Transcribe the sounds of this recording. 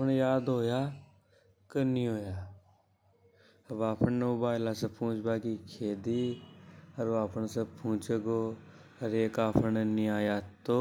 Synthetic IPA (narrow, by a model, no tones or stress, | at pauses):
pnjaːd̪ɦoːjaː | kəniːɦoːjaː | baːpʰəɳnmobaːɪlaːsəpũːt͡ʃbaːkikʰeːd̪iː | əɾoaːpʰəɳsəpʰũːt͡ʃeɡoː | əɾeːkaːpʰənniaːjaːt̪oː